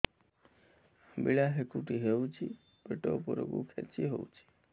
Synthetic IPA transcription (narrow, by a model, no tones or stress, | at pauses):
biɭaɦekuʈiɦeut͡ʃʰi | peʈopoɾo̰ɡukʰɛt͡ʃiɦout͡ʃʰi̥